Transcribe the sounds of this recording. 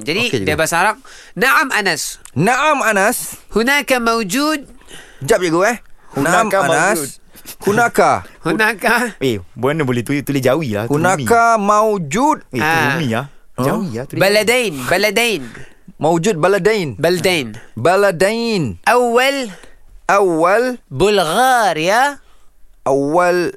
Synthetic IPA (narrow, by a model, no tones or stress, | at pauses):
d͡ʒadidabasaɾak̚ | naʔamanas | naʔamanashunakamawd͡ʒud̪̚d͡ʒap̚d͡ʒuɡuɛhhunanaamaana | hunakahunakaebuanibolɛht̪ut̪ulɛd͡ʒawila̰hhunakamawd͡ʒud̪̚eamia | d͡ʒawiat̪ubalad̪ajnbalad̪ajn | mawd͡ʒud̪̚baladajnbalad̪ajnbaladajnʔawːalʔawːalbʊlɣaɾija | ʔawːal